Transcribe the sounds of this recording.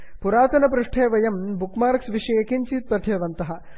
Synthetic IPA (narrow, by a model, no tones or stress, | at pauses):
puɾaːt̪ɐnɐpɾuʂʈʰeːʋɐjɐmbukmaːɾksʋiʂɐekint͡ʃiːt̪̚pɐt̪ʰjɐʋɐnt̪ɐɦɐ